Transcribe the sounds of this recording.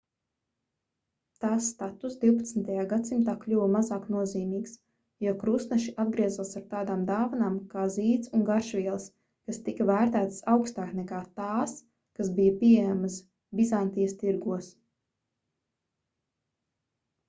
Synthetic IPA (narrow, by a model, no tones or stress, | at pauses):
t̪aːsːt̪at̪usd̪iwpat̪snt̪ajaːɡat̪simt̪aːklʲuvmazaːknuɔziːmiːks | juɔkɾusnaʃiʔad̪̚ɡɾiɛzalsaɾ̚t̪aːd̪aːmd̪aːvanaːmkaːziːt̪sunɡaɾʃvʲiɛlˠs | kast̪ikɐvæːɾt̪æːt̪sawkst̪aːknɛkaːt̪aːs | kasbijɐpʲiɛɛjamas | bizant̪ijɐst̪iɾɡuɔs